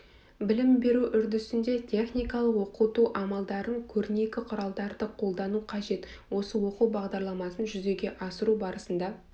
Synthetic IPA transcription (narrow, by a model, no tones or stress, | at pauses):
bɪlɪmbe̞ɾuʔʏɾd̪ɪsɪnd̪e̞t̪ʲʰe̞χnijkɑlˠəqwo̞qut̪uʔɑmɑlˠd̪ɑɾəŋkʲʰɵɾne̞kʲɪqʰʊɾɑlˠd̪ɑɾd̪əqʰo̞lˠd̪ɑnuqʰɑʒe̞t̪wo̞səwo̞quwbɑʁd̪ɑɾlˠɑmɑsənʒʏze̞ɡʲe̞ʔɑsəɾubɑɾəsənd̪ɑ